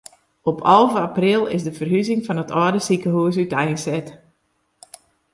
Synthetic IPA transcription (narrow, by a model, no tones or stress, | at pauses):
ɔpʰɔlˠvəaprɪlˠɪ̰sdəfərɦyzɪŋfɔnətʰɔːdəsikəɦuəs̬ytɛjənsɛt